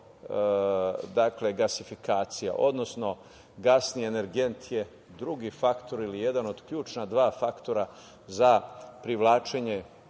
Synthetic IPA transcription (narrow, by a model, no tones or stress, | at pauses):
d̪akle̞ɡasifikaːt̪sija̰ʔo̞d̪no̞sno̞ | ɡasniene̞ɾɡe̞nt̪ʰje | d̪ɾuɡifakt̪o̞ɾilije̞d̪ano̞d̪kʎuːt͡ʃnad̪ʋaːfakt̪o̞ɾa | zapɾiʋlˠaːt͡ʃeɲe